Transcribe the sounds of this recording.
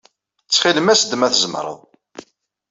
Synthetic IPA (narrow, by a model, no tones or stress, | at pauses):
t͡sːχiləmæsəd̪ːmæθzəmɾˤə̰ðˤ